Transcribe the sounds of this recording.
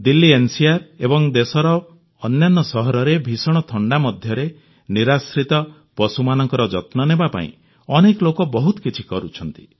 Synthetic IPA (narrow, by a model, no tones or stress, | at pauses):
d̪ilːiensiaɾebɔŋd̪esɔɾɔː | njanːɔsɔɦɔɾɔɾebʱisɔɽ̃ɔt̪ʰɔɳɖamɔd̪ʱjɔɾe | niɾasɾit̪ɔ | pɔsumanɔŋkɔɾɔd͡ʒɔt̪nɔnebapa̰ḭ̃ | ɔnekɔlokɔbɔɦut̪ɔkit͡ʃʰikɔɾut͡ʃʰɔnt̪i̥